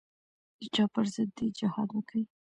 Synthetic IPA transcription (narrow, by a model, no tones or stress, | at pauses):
d̪̥ət͡ʃɑpəɾzəd̪ːed͡ʒɪhɑd̪wəki